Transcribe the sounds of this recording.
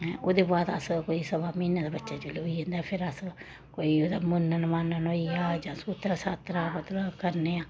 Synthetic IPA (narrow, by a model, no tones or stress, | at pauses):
ʔoːd̪eːbaːd̪ə̰skoːisəbaːmiːnaːd̪aːbətːʃaːd͡ʒoloːiːɦə̃nd̪aːɛpʰɪɾəs | koːioːd̪aːmʊnːənmaːnənoiaːd͡ʒãːsut̪ɾasaːt̪ɾaːpət̪ɾkəɾneːaː